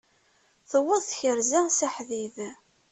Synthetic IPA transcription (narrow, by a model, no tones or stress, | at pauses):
θəwːəðˤθçəɾzæsæħðið